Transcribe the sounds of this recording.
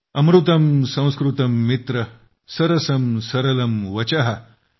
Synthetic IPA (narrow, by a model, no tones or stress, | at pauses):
ɐmɾut̪ɐmsɐ̃w̃skɾut̪ɐmːit̪ɾɐ | sɐɾɐsɐmsɐɾɐlɐmʋɐt͡ɕaɦɐ